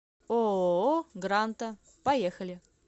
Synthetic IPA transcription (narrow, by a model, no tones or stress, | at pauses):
o | ɡɾant̪ə | pɐjexəlʲɪ